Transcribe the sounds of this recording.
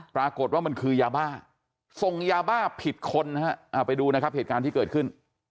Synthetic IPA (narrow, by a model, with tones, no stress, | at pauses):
pɾaː˧ko˨˩t̪̚waː˥˩ma˧nkʰɯː˧jaː˧baː˥˩ | so˨˩ŋjaː˧baː˥˩pʰi˨˩t̪̚kʰo˧nː˦ha˦˥ʔa˧˩pa˧jduː˧na˦˥kʰa˦˥p̚heː˨˩t̪kaː˧nt̪ʰiː˥˩kɤː˨˩t̪̚kʰɯ˥˩n